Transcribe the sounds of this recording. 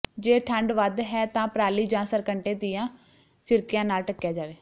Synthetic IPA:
d͡ʒeːʈʰəɳɖʋəd̪ɦɛːt̪ãːpɾaːliːd͡ʒãːsəɾkəɳʈeːd̪ɪjãː | sɪɾkɪjãːnaːlʈəkːjaːd͡ʒaːʋeː

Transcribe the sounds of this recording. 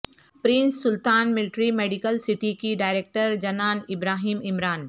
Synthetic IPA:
pɾɪ̃nsːʊlt̪aːnmɪlɪʈɾimeːɖɪkəlsɪʈikiɖaːɪɾeːk̚ʈəɾd͡ʒɐnaːnɪbɾaːɦiːmɪmɾaːn

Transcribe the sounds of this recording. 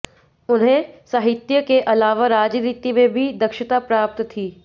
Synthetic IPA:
ʊnɦẽsaɦɪt̪jəkeʔɐlaːʋaɾaːd͡ʒniːt̪imẽbʱid̪ɐkʃɪt̪apɾaːp̚t̪t̪ʰiː

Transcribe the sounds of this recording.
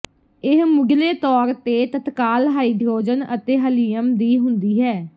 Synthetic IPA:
ɪɦmʊɡleːt̪ɔːɾt̪eːt̪ət̪kaːlɦaːiːɖʱoːd͡ʒənə̰t̪eːɦəliːəmd̪iːɦʊnd̪iːɦɛː

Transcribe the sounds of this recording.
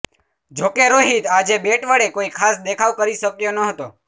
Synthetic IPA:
d͡ʒokeɾoɦit̪ad͡ʒebeʈʋəɽekoikʰasd̪ekʰaʋkəɾiʃəkjonəɦət̪o

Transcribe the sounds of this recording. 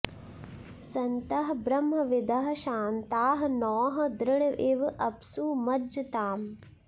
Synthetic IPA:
sɐnt̪ɐɦɐbɾɐmːɐʋɪd̪ɐɦɐʃaːnt̪aːɦɐnɔːɦɐ̆d̪ɾɪɽɐʋʔiʋʔɐpsuːmɐd͡ʒɐt̪aːm

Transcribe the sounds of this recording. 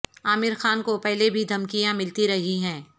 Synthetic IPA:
aːmɪɾxaːnkopɛɦlebʱid̪ʱɐmkijãmɪlt̪iɾɐɦiɦɛ̃ː

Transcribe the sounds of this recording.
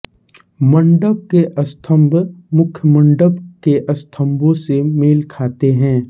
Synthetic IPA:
mə̃ɳɖəb̚keʔɐst̪ʰə̃mbʱmʊkʰjəmə̃ɳɖəbkeʔɐst̪ʰə̃mbõsemeːlkʰaːt̪eɦɛ̃ː

